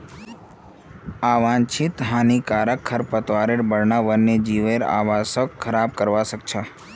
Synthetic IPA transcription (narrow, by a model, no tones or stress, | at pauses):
aːʋãnt͡ʃʰit̪ɦaːnikaːɾəkʰːəɾpət̪ʋaɾeɾbəɽnaʋənːed͡ʒiʋeɾa̰ʋasəkkʰəɾaːb̚kəɾʋasək̚t͡ʃʰa